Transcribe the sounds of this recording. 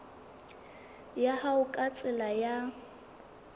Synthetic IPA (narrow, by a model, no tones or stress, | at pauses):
jahaʊkʼat͡sʼɪlaja